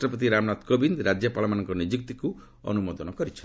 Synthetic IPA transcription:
ʈɾɔpɔt̪̬iɾamnat̪kobind̪ɾad͡ʒjɔpalɔmanɔŋkɔnid͡ʒik̚t̪iku | ɔ̰numɔd̪ɔnɔkɔɾit͡ʃʰɔn

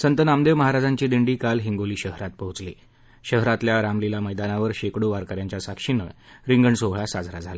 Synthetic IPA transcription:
sənt̪ənamd̪eʋməɦaɾad͡zaɲt͡ɕiːd̪iɳɖiːkalɦiŋɡoliːɕəɦɾat̪̚pəɦut͡slḭ | ɕəɦɾat̪ljaɾamlilaməjd̪anaʋəɾɕekɽoʋaɾkəɾjãɲt͡ɕjasakʂinə̰ | ɾiŋɡəɳsoʋɭasad͡zʱɾad͡zʱala

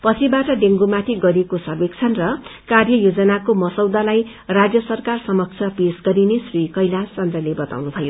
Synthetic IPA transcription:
pʌt͡sʰibaʈʌɖeŋɡumat̪ʰiɡʌɾekosʌrbek̚t͡sʰʌnrʌkarjʌjod͡zʌnakomʌsʌwd̪alaj | rad͡zjʌsʌrkarsʌmʌk̚t͡sʰʌpesɡʌɾinesrikʌjlat͡sʌnd̪rʌlebʌt̪a̰wnut̪ʰʌjo

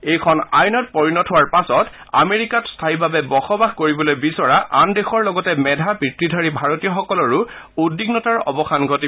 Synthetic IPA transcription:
ejkʰɔna̰jnɔt̚pɔɹinɔtʰʊwaɹpasɔt | a̰meɹikatstʰaibabɛbɔxɔbaxkoɹibɔlojbisɔɹaʔandexɔɹlɔɡɔtɛmɛdʱabɹitɹidʱaɹibʱaɹotiɔxɔkɔlɔɹʊ | udiɡnɔtaɹɔ̰bɔxʰanɡʱɔti

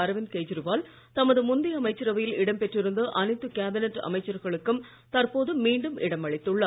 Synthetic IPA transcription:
ɐɾɐʋɪnkeːd͡ʒɪɾɯʋaːl | t̪ɐmɐðɯmʊnd̪ɪɐmɐɪt͡ʃːɪɾɐʋɐjɪlɪɽɐmpɛʈrɪɾɯnd̪ɯʔɐnɐɪt̪ːɯkaːbɪnɛʈːɐ̰mɐɪt͡ʃːɐɾɣɐɭɯkːɯm | t̪ɐrpoːðɯmiːɳɖɯmʔɪɽɐmɐɭɪt̪ːɯɭːɐ

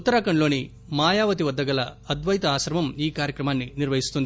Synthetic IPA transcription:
ut̪ːɐɾaːkɐɳlo̞ːni | maːjaːʋɐt̪̬iʋɐd̪ːɐɡɐlɐɐd̪ʋɐjt̪ɐaːsɐɾʋɐmiːkaːɾjɐkɾɐmaːnːiniɾʋɐɦist̪und̪ii

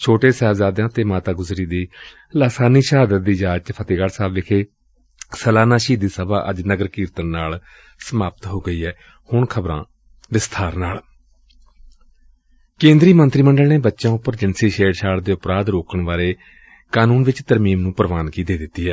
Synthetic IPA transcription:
t͡ʃʰoːʈeːsɛːʋzaːd̪jãːt̪eːmaːt̪aːɡʊzɾiːd̪iː | laːsaːniːʃaːd̪ət̪̚d̪iːd͡ʒaːd͡ʒt͡ʃpʰət̪eːɡaɽsaːbʋɪkʰeː | səlaːnaːʃiːd̪iːsəbaːʔəd͡ʒnəɡəɾkiːɾt̪ənnaːl | səmaːpət̪ɦoːɡəiːɦɛː | hʊɳkʰəbɾã̰ː | ʋɪst̪ʰaːɾnaːl | kẽːnd̪ɾiːmənt̪ɾiːməɳɖəlneːbətːʃãːʊpːəɾd͡ʒɪnseːʃeːɽʃaːɽd̪eːʊpɾaːd̪ɾoːkəɳʋaːɾeː | kaːnũːnʋɪt͡ʃt̪əɾmiːmnũːpəɾəʋaːnkiːt̪eːd̪ɪt̪ːiːɦɛː

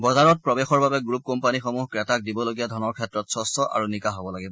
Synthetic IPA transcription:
bɔzaɹɔt̚pɹɔbexɔɹbabɛɡɹup̚kɔmpanixɔmuɦkɹɛtak̚dibɔloɡijadʱɔnɔɹkʰɛtɹɔtsɔstɔʔa̰ɹunikaɦɔbɔlaɡibɔ

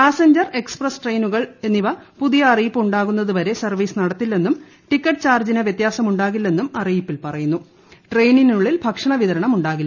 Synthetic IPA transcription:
paːseɲd͡ʑɐre̞ksprɐsʈrejnuɣɐɭe̞nːiʋɐpuðijɐːrijipːɨuɳɖaːɣunːɐðuʋɐɾe̞sɐrʋiːsɨnɐɽɐt̪ːilːe̞nːum | ʈikːɐʈːɨt͡ɕaːrd͡ʑinɐʋjet̪jaːsɐmuɳɖaːɣilːe̞nːumɐrijipːilpɐrɐjunːu | ʈrejninuɭːilbʱɐkʂɐɳɐʋiðɐɾɐɳɐmuɳɖaːɣilː

